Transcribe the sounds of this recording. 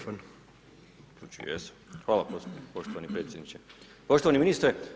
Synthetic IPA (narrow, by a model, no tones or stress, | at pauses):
fon | ut͡ʃṵjḛs | xʋaːlˠapopo̞ʃt̪oʋanipɾeːt̪sʲjed̪nit͡ɕe | po̞ʃt̪oʋaniminist̪ɾe